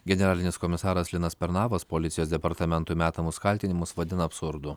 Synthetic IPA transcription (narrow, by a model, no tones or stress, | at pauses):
ɡʲɛnʲɛɾɑːlʲɪnʲɪskɔmʲɪsɑːɾɐslʲɪnɐspʲɛɾnɑːʋɐspolʲɪt̪sʲɪjoːsd̪ʲɛpɐɾt̪ɐmʲɛnt̪umʲæːt̪ɐmʊskɐlʲt̪ʲɪnʲɪmʊsʋɐd̪ʲɪnɐːpsʊɾd̪ʊ